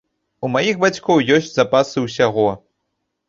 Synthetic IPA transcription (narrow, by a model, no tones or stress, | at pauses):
umajixbat͡sʲkɔwjɔsʲt͡sʲzapasɨwsʲaɣɔ